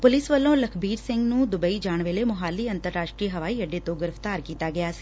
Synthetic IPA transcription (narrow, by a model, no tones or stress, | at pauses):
pʊlɪsʋəlːõːləkʰbiːɾsɪ̃ŋɡnũːd̪ʊbəiːd͡ʒaːɳ̃ʋeːleːmʊɦaːlːiːə̃nt̪əɾːaːʃʈɾiːɦəʋaːiəɖeːt̪õːɡɪɾəft̪aːɾkiːt̪aːɡɪjaːsi̥